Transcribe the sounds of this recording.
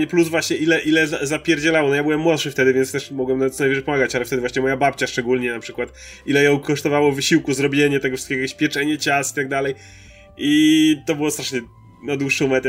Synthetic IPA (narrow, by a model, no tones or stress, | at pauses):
ɲɛpluzvwaɕɲɛʔilɛʔilɛzazapʲjɛɾd͡ʑɛlawɔnɔjabɘwɛmːwɔt̪ʂɨft̪ɛd̪ɘvʲjɛntst̪ɛʂmɔɡwɛmnaɛt̪ːajvɛʐɛjpɔmaɡat͡ɕalɛft̪ɛd̪ɘvwaɕɲɛmɔjabap̚ʲt͡ɕaʂt͡ʂɛɡulɲɛnapʂɘkwat̪ | ilɛjɔ̃w̃kɔʂt̪ɔvawɔvɘɕiwkuzɾɔbʲjeɲɛt̪ɛɡɔfʂɘ̥t̪kʲeɡɔjakʲjeɕpʲjɛt͡ʂɛɲɛt͡ɕasi̥t̪aɡ̚d̪alɛj | ʔit̪ɔbɘwɔst̪ɾaʂɲɛ | nad̪wuʂumɛt̪